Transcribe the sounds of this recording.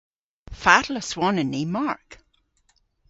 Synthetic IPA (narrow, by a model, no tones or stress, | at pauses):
fatləswɔnənːiːmaɹk